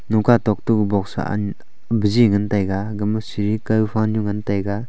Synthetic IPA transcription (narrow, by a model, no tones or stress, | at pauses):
nukatɔk̚tuɡbɔksa̰a̰ | biziŋɐntajɡaɡɐmasiɾikajupʰanjuŋɐntajɡa